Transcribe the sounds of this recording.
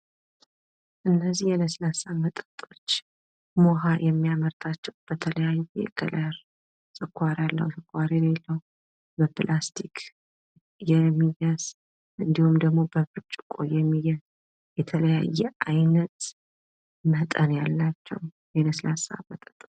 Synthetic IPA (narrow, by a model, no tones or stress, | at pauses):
ʔɨnːəzːihjɛnəslasamət̪ʼə̥t̪ʼo̞t͡ʃː | moɦajɛmːijaməɾt̪ʰat͡ʃːɛwb̥ət̪ʰələjajuɛ̰ɡ̥ə̰ləɾ | sʼɨkʷːaɾalːə̰hwsʼɨkʰʷːaɾelelːəwu | bəplʔast̪ʰikʰ | jɛmːijaz̥ | ʔɨnd̪ihumd̪əɡmo̞bəfɨt͡ʃʼkʼo̰jɛmːijaz | jɛt̪ʰələja̰jːɛʔajnət̪ | mət̪ʼənjalːat͡ʃːɛ̰w | jɛnəslasa̰mət̪ʼət̪ʼ